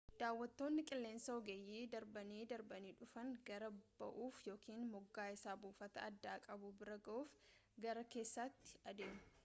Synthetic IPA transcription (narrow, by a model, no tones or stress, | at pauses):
d̪̥aːwːɐt̪ːo̞ːnːɪkʼɪlːe̞ːnsɐɔɡejːiːd̪ɐɾbɐniːd̪ɐɾbɐniːᶑʊfɐŋɡɐɾɐb̥ɐ̰ʔuːfjo̞ːkiːnmɔɡːaːɪsaːbuːfɐt̪ɐɐd̪ːaːkʼɐbubɪɾɐɡɐʔuːfɡɐɾɐke̞ːsːat̪ːɪ̥ɐd̪e̞ːmʊ̥